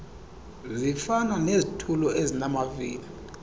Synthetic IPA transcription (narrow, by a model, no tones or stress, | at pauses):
zifananezitʰulɔʔezinamavḭːli